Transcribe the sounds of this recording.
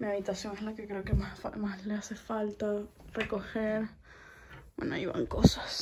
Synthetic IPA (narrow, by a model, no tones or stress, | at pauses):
miaβit̪asjoŋeslakekɾeokemafamasleasefalt̪arekoheɾ | wa̰na̰iβa̰ŋkosḁs